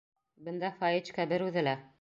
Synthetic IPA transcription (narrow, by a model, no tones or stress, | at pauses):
bɘ̆nd̪æfɑjɘt͡ʃkæbɘɾʉðɘ̆læ